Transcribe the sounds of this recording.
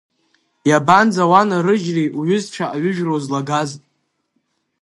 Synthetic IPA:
jaband͡zawanaɾɨd͡ʒrijʔuɥʏzt͡ʃʷʰaʔaɥʏʒᶣrozlaɡaztʼ

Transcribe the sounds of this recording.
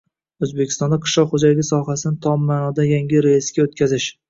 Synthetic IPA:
ɵzbekʲʰɪ̥st̪ɒnd̪aqʰɨ̥ʃlˠɒqχod͡ʒalɪɡʲɪsɒɦasɪnɪt̪ʰɒmːaːnɒd̪ajaŋʲɪɾejɪsɡʲaot̪̚kʲʰazɪʃ

